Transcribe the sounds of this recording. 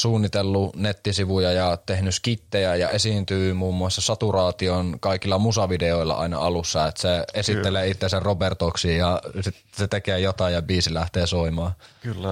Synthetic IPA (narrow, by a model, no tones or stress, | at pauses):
suːnːit̪elːunet̪ːisiʋujɑjɑt̪ehnyskit̪ːejæjɑ̰esiːnt̪yːmuːmːuɑsːɑsɑt̪urɑːt̪ionkɑikilːɑmusɑʋideoilːɑ̰ʔɑ̰inɑ̰ɑlusːɑet̪seesit̪ːeleːit̪ːeserrobert̪oksijɑsit̪ | set̪ekeːjot̪ɑˑijɑbiːsilæht̪eːsoimɑːkylː